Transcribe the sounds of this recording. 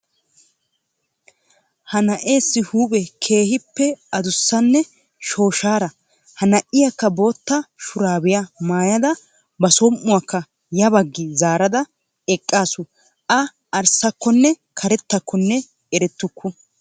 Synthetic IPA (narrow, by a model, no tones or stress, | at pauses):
hɐnɐʔe̞ːsːɪhuːpʼɛkʰe̞ːhɪpːɛɐd̪ʊsːɐnːɛ | ʃo̞ːʃaːɾɐ | hɐnɐʔɪjɐkːɐbo̞ːt̪ːɐʃʊɾaːbɪjɐmaːjɐd̪ɐ | bɐsɔmːʊwɐkːɐ | jɐbɐɡːɪzaːɾɐd̪ɐ | ɛkʼːaːsʊ | ʔɐ | ɐɾsɐkːɔnːɛ | kʰɐɾɛt̪ːɐkʰːɔnːɛ | ɛɾɛt̪ːʊkʰːʊ